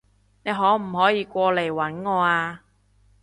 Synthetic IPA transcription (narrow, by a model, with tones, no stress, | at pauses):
ne˨˧jɦɔː˨˥m̩˨˩hɔː˨˥jiː˨˧kʷɔː˧le˨˩jwɐ˨˥nŋɔː˨˧aː˧